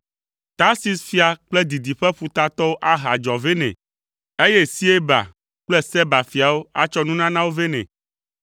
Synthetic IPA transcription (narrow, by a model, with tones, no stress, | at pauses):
t̪a˦si˨sfi˦a˨k͡plɛ˦d̪i˨d̪i˨ɸɛ˦ɸu˨t̪a˦t̪ɔ˦wo˦ʔa˦ɦa˨d͡ʒɔ˨ve˦nɛ̰̃˨ | e˦je˦si˦e˦ba̰˨ | k͡plɛ˦sɛ˦ba˨fi˨a˨wo˦a̰˦t͡ʃɔ˦nũ˦nã˦nã˦wo˦ve˦nɛ̰̃˨